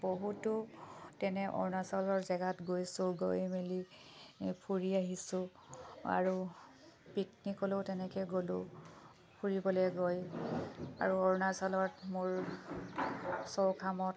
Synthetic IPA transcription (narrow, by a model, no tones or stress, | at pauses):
boɦutʊtɛnɛʔɔ̰ɹnasɔlɔɹzɛɡatɡojsʊɡojmeli | pʰuɹiaɦisʊ̃ | a̰ɹu | piknikɔlotɛnɛkɛɡolʊ | pʰuɹibɔlɛɡoj | a̰ɹuɔɹnasɔlɔtmʊɹ | sɔwkʰamɔt̚